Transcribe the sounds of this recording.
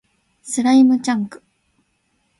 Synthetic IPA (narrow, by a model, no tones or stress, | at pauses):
sɨɾaimɯ̟t͡ɕãŋkɯ̟̥